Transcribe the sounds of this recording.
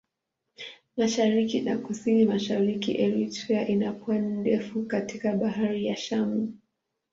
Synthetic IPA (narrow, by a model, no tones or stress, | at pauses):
maʃaɾikinakusinimaʃaɾikiʔɛɾitɛaʔinapwandɛfukatikaɓaɦaɾijaʃamu